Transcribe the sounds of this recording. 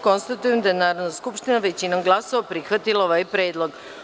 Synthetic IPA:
ko̞nst̪at̪ujemd̪ajenaːɾodnaskupʃt̪inaʋet͡ɕinomɡlˠasoapɾixʋat̪ilˠaoʋajpɾeːd̪lˠo̞ɡ

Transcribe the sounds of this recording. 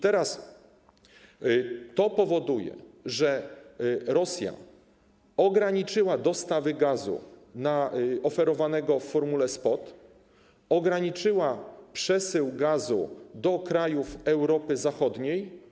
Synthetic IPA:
t̪ɛɾas | t̪ɔpɔvɔd̪ujɛ̰ʐɛ | ɾɔsʲja̰ | ɔɡɾaɲit͡ʂɘwad̪ɔst̪avɘɡazṵnaɔfɛɾɔvanɛɡɔfːɔɾmulɛspɔt̪ | ɔɡɾaɲit͡ʂɘwapʂɛsɘwɡazṵd̪ɔkɾajufɛwɾɔpɘzaxɔd̪ɲej

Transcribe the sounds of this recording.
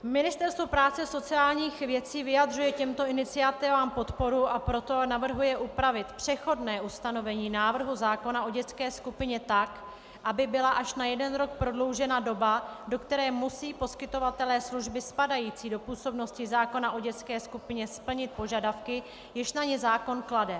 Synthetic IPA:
mɪnɪst̪ɛɾst̪vopɾaːt͡sɛso̞t͡sɪaːlɲiːxvjɛt͡siːvɪjad̪r̝ujɛcɛmt̪o̞ʔɪnɪt͡sɪat̪ɪvaːmpo̞t̪po̞ɾuʔapɾo̞t̪o̞navr̩ɦujɛʔupɾavɪt̪pr̝̥ɛxo̞dnɛːʔust̪ano̞vɛɲiːnaːvr̩ɦuzaːko̞naʔo̞ɟɛt͡skɛːskupɪɲɛt̪ak | ʔabɪbɪlaʔaʃnajɛdɛnɾo̞k̚pɾo̞dlo̞wʒɛnado̞bado̞kt̪ɛɾɛːmusiːpo̞skɪt̪o̞vat̪ɛlɛːsluʒbɪspadajiːt͡siːdo̞puːso̞bno̞scɪzaːko̞naʔo̞ɟɛt͡skɛːskupɪɲɛspl̩ɲɪt̪̚po̞ʒadafkɪ | jɪʃnaɲɛzaːko̞nkladɛ

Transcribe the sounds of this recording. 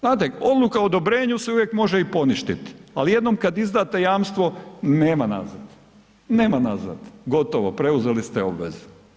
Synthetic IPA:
znaːt̪̬eo̞d̪lukaod̪o̞bɾe̞ːɲuseuʋjekmo̞ʒeipo̞niʃt̪it̪i̥alije̞d̪nomkad̪izd̪aːt̪ejaːmst̪ʋo̞neːmana̰zad̪̥ | neːmanaza̰d̪ɡo̞t̪oʋopɾe̞uzelist̪eo̞bʋḛze

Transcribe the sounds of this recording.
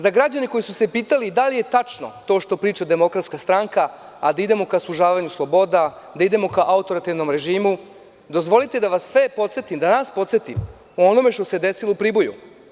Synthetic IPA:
zaɡɾad͡ʑaneko̞jisuse̞piːt̪alid̪alije̞t̪at͡ʃno̞̰t̪o̞ːʃt̪o̞pɾiːt͡ʃad̪e̞mo̞kɾat̪skast̪ɾaŋka | ad̪aid̪e̞mo̞kaslˠuʒaːʋaɲuslˠo̞bo̞d̪a | d̪aid̪e̞mo̞kaʔaut̪o̞ɾat̪iʋno̞mɾe̞ʒiːmu | d̪o̞zʋo̞lit̪e̞d̪aʋasːʋe̞po̞t̪se̞t̪imd̪anaspo̞t̪set̪ḭm | uo̞no̞me̞ʃt̪o̞sed̪e̞silo̞upɾiːbojṵ

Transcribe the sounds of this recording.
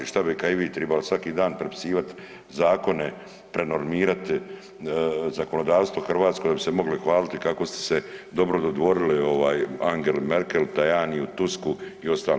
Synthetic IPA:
ʃt̪abikaiʋiːt̪ɾɛbalosʋakiːd̪aːnpɾepi̥siːʋat̪ | zaːko̞ne̞ | pɾe̞no̞ɾmiːɾat̪ | zako̞no̞d̪aːʋst̪vʋo̞xr̩ʋaːt̪sko̞d̪abise̞mo̞ɡlixʋaːlit̪ikako̞st̪e̥sed̪o̞bɾod̪o̞d̪ʋo̞ɾilio̞ʋaːjaŋɡe̞lmeɾkelt̪ajaːniut̪uskuiost̪aːl

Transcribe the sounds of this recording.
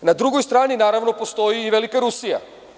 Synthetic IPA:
nad̪ɾuɡojst̪ɾaːninaːɾaʋno̞post̪o̞jiːʋelikaɾusija̰

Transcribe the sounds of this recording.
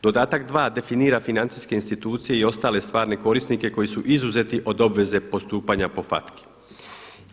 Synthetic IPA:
d̪o̞d̪aːt̪akd̪ʋaːd̪e̞finiːɾafinant̪siːske̞inst̪it̪uːt̪sijeio̞st̪aːle̞st̪ʋaːɾne̞ko̞ɾisnike̞ko̞jisuʔizuze̞t̪iʔo̞d̪o̞bʋe̞ze̞po̞st̪uːpaɲapo̞fa̰t̪kʰi̥

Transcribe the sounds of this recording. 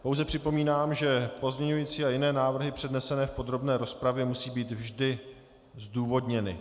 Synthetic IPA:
po̞wzɛpr̝̥ɪpo̞miːnaːmʒɛpo̞zɲɛɲujiːt͡siːajɪnɛːnaːvr̩ɦɪpr̝̥ɛdnɛsɛnɛːfpo̞d̪ɾo̞bnɛːɾo̞spɾavjɛmusiːbiːt̪vʒdɪ | zduːvo̞dɲɛnɪ̰

